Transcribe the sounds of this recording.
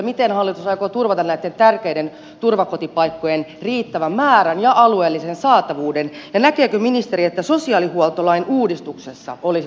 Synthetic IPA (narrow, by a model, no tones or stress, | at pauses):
mit̪enhɑlːit̪usɑikot̪urʋɑt̪ɑnæit̪ːent̪ærkeiden | t̪urʋɑkot̪ipɑikːojenriːt̪ːæʋæmmæːɾænjɑʔɑlueːlːisensɑːt̪ɑʋuːdenjɑnækeːkøminist̪eɾiet̪ːæsosiɑːlihuolt̪olɑinuːdist̪uksesːɑ̰ʔoli